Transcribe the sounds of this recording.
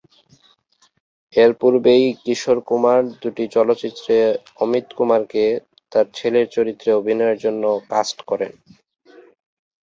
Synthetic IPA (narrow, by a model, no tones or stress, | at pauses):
eɾpuɾbejkiʃoɾkumaɾd̪uʈit͡ɕɔlotːɕit̪ːɾe | ɔmit̪kumaɾke | t̪aɾt͡ɕʰeleɾt͡ɕoɾit̪ːɾeobʱinɔeeɾd͡ʑonːokasʈkɔɾḛn